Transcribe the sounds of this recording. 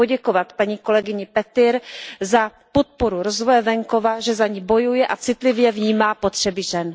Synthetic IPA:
oɟɛkovat̪paɲiːko̞lɛɡɪɲɪpɛt̪ɪɾza | po̞t̪̚po̞ɾuɾo̞zvojɛvɛŋko̞vaʒɛzaɲiːbo̞jujɛʔat͡sɪt̪lɪvjɛvɲiːmaːpo̞t̪r̝̥ɛbɪʒɛn

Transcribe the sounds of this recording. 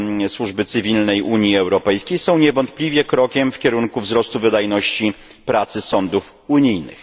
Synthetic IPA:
swuʐbɘt̪sɘvʲilnɛjʔuɲjiɛwɾɔpɛjskʲejsɔ̃w̃ɲɛvɔnt̪̚plʲivʲjɛkɾɔkʲɛmfkʲɛɾuŋkuvzɾɔst̪uvɘd̪ajnɔɕt͡ɕi | pɾat̪sɘsɔnd̪uf | uɲijnɘ̰x

